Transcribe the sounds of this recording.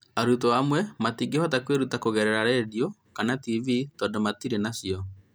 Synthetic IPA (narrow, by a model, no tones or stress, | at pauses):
aɾutɔamwɛmatiɡehɔtakweɾutakoɣɛɾɛɾaɾeːðiokanativitɔːndɔmatiɾenasiɔ